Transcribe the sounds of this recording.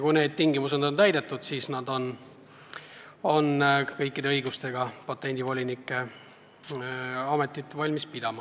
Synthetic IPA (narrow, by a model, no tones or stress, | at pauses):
kujne̞ːd̪̥̚t̪ːiŋɡimused̪o̞nt̪æjd̪e̞t̪ːˑud̪̥siːsnɑd̪o̞n | o̞nkɤjkːid̪e̞ɤjɡust̪e̞ɡ̥ɑpɑt̪ˑːe̞nʲd̪ivo̞lʲinikːˑe̞ | ɑme̞t̪ːˑit̪ːˑvɑlʲmispid̪̥ɑmɑ